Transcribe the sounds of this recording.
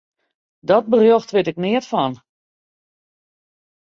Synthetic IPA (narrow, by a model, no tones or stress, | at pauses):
dɔt̚bərjoxtʋɪtɪk̚nɪətfɔn